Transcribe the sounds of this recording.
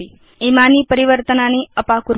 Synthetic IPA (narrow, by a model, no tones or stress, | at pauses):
i | emanipəɾiʋəɾt̪ənaniəpakuɾ